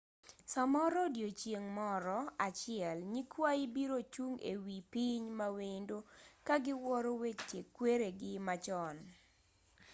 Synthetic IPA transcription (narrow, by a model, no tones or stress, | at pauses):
samɔɾɔdjot͡ʃjeŋmɔɾɔat͡ʃɪɛlɲikwaibiɾot͡ʃuŋḛwipiɲmawendokaɡɪwɔɾowet͡ʃt͡ʃekːweɾeɡɪmat͡ʃɔn